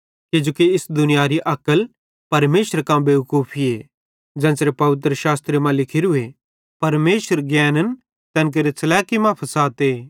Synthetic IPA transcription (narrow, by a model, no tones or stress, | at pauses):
kɪd͡ʒoːkiɪsd̪ʊnɪjaɾiʔɐkəl | pɐɾmeːʃəɾkãbeːkuːpʰie | d͡ʒɛ̃ːsɾepɐʋɪt̪̬ɾəʃaːst̪ɾemãlɪkʰiɾɦʊe | pɐɾmeːʃəɾɡɛːnən | t̪ɛ̃ːnk̬eɾet͡sɐlɛːkimãpʰɐsaːt̪eː